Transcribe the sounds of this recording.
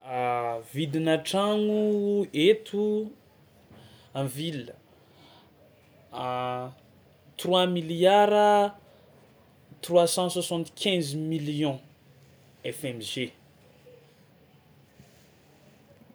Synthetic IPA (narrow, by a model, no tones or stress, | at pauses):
vid̪inaʈ͡ʂaŋuet̪ʰu | ãvilə | t̪rwamiljaɾə | t̪rwasɑ̃swasɑ̃t̪kʰʲɛ̃zmiljɔ̃ | ɛfɛmʒe